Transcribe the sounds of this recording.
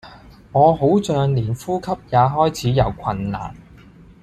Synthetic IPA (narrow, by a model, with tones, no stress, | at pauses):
ŋɔː˨˧ɦo˨˥wt͡sœː˨˧ŋliː˨˩nfuː˥kʰɐ˥p̚jaː˨˧ɦɔː˥jt͡sʰiː˨˥jɐ˨˩wkʷʰɐ˨˩nːa̰ː˨˩n